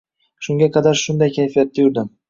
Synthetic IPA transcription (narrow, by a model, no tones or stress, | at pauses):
ʃʊŋɡʲaqʰɑd̪aɾʃʊnd̪ajkʲʰajfijat̪̚ːajʊɾd̪ɪm